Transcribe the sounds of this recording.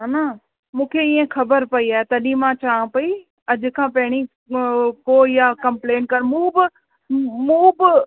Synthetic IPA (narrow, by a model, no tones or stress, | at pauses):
ɦaːnaː | mũːkʰeiːẽxʰɐbəɾpɐiaːɦet̪ɐɗĩmãt͡ʃaːãpɐi | ɐʄʊkʰãːpɐɦɪɽ̃i | koːjakɐmpleːnkɐnmũːbɪ | mũːbɪ